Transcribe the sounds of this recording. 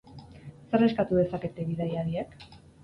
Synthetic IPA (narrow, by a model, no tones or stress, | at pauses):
se̞re̞skat̪uðe̞sake̞t̪e̞βiðajaɾiek